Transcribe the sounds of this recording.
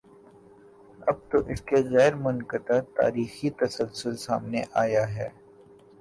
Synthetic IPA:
ɐb̚t̪oʔɪskeɣɛːɾmʊnkət̪at̪a̰ːɾiːxit̪ɐsəlsʊlsaːmneʔaːjaɦɛː

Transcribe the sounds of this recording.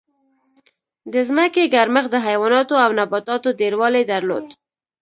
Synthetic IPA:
d̪əzməkeɡaɾməxd̪əɦajwɑnɑt̪oawnabɑt̪ɑt̪od̪eɾwɑled̪aɾlo̰d̪

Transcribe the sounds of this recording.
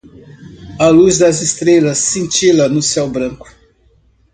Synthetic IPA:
ɐluzd̪ɐzist̪ɾelɐsːẽnt͡ʃilɐnʊsɛwbɾɐ̃kʊ̥

